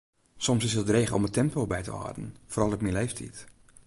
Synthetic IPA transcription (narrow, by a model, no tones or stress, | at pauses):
sɔmsɪsədreːχəʔɔ̰mətʰɛmpolˠbɛjtə̰ɔ̰dənforɑlˠət̚milejftʰḭt